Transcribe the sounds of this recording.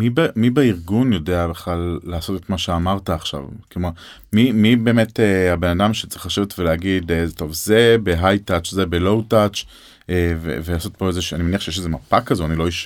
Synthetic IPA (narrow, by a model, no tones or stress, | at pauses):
mibemibeiʁɡunjo̞deabeχlalːaːso̞tetmaʃeamaʁtaːχʃa̰vkomo | mimibeːmetehabe̞nadamʃe̥t͡sʁeχlaʃevetveleaɡidezto̞vzebeɦajtat͡ʃzebelo̞wtat͡ʃ | evḛvelaːso̞t̪̚po̞ezeʃanimeniaχʃejeʃ̬ezemapakːazoanilo̞iʃ